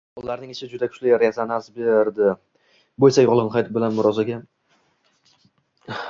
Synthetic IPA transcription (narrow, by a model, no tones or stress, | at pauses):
ɒlˠːaɾnɪŋɪʃɪd͡ʒʊd̪akʰʊ̥t͡ʃlɪjaɾazanasbeɾd̪ɪ | bojsajʊʁlˠɨnqʰɑjt̪bɪlanmʊɾɒzaɡʲa